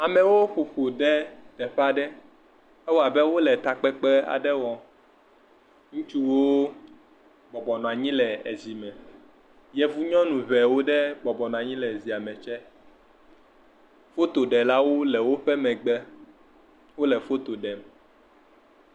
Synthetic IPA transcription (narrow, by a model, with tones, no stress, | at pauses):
a˨mɛ̃˨wo˦ɸo˨ɸo˨ɖɛ˦d̪ɛ˨ɸa˦ɖɛ˦ | ɛ˦wo˦a˨bɛ˦wo˦lɛ˨t̪a˨k͡pɛ˦k͡pɛ˦a̰˨ɖɛ˦wɔ̃˨ | ŋũ˦t͡ʃu˦wo˦ | bɔ˨bɔ˨nɔ̃˨a˨ɲĩ˦lɛ˨e˨zi˨mɛ̃˨ | jɛ˨vu˦ɲɔ̃˦nũ˨βɛ˨wo˦ɖɛ˦ɡ͡bɔ˨bɔ˨nɔ̃˨a˨ɲĩ˦lɛ˨zi˨a˨mɛ̃˨t͡ʃɛ˦ | fo˦t̪o˨ɖɛ˨la˦wo˦lɛ˨wo˦ɸɛ˦mɛ̃˨ɡ͡bɛ˦ | wo˦lɛ˨fo˦t̪o˨ɖɛ˨m˨